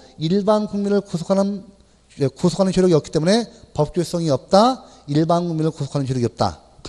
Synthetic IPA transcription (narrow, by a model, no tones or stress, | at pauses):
iɭbanɡuŋminɯɭkosʰo̥kʰaɯn | kosʰo̥kʰanɯnt͡ɕʰoɾjoɡiʌki̥t͈e̞mune̞pʌp̚k͈jos͈ʌŋiʌp̚t͈a | iɭbanɡuŋminɯɭkosʰo̥kʰanɯnt͡ɕʰoɾoɡiʌp̚t͈a̰